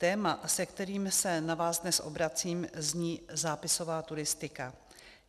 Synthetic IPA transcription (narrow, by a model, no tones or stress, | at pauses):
t̪ɛːmasɛkt̪ɛɾiːmsɛnavaːzdnɛsʔo̞̰bɾat͡siːmzɲiːzaːpɪso̞vaːt̪uɾɪst̪ɪka